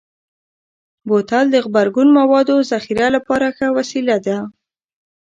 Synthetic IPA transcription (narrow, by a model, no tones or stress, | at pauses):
bot̪ald̪əɣbaɾɡunmawɑd̪ozaxiɾalapɑɾaxawasilad̪a